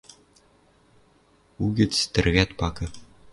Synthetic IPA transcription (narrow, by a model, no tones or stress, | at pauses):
uɡʲɘ̆t͡st̪ɘ̆rɣʲæt̪pɑkɤ̆